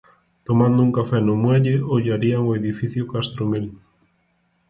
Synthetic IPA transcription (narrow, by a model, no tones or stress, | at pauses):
t̪omãnd̪ʊuŋkafɛnomwɛʎɪoʎaɾiaŋoeðifiθjʊkast̪ɾomil